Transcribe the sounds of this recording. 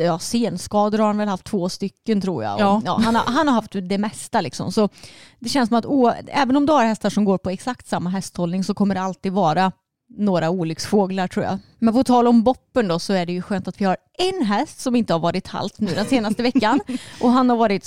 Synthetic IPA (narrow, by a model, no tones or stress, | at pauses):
jɑːseːnskɑːd̪əɾhaɾhanvɛlhaft̪ʰːvoːst̪ʏkːənt̪ʰɾṵːɾja̰ɔɑ̰ːhana̰ɦanhaɾhaft̪d̪ɛmɛst̪alɪ̰ksɔ̰msɔd̪ɛɕɛnsɔmat̪uːɛːvənɔmd̪ɵhaɾhɛst̪aʂɔmɡoːɾpʰɔɛksakt̪samːaɦɛst̪hɔlnɪŋsɔkʰɔmːəɖɛalt̪iːd̪vɑːɾa | noːɾauːlʏksfoːɡlaɾʈʰɾuːja̰ | mɛnpʰɔt̪ʰɑːlɔmbɔpːənd̪ɔsɔæɖɛjɵɧøːnt̪at̪vɪhaɾ | ɛnɦɛst̪sɔmɪnt̪əhaɾvɑːɾɪt̪ʰa̰lt̪nʉ̟ːd̪ɛnseːnast̪əvɛkːanʔɔɦanhaɾvɑːɾɪt̪